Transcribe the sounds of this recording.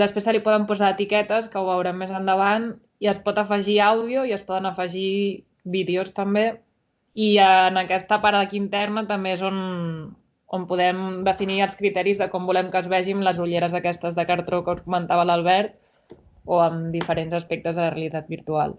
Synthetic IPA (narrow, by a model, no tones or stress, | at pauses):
d̪əspɾesəlipɔðəmpuzaːt̪ikɛt̪əskəuβəwɾɛmːezənd̪əβant̪ | iəspɔt̪əfəʒiawðioiəspɔðənəfəʒi | βiðeost̪əmbe | iənəkɛst̪əpaɾðəkint̪ɛrnət̪əmbeezon | ompuðɛmd̪əfiniəlˠskɾit̪ɛɾizðəkɔmbulɛmkəzβɛʒimləzuʎeɾəzəkɛst̪əzðəkəɾt̪okəuskumənt̪aβələlˠβ̞ɛɾt̪̚ | oəmd̪ifəɾenzəspɛk̚t̪əzðələreəlit̪at̪̚biɾt̪ua̰lˠ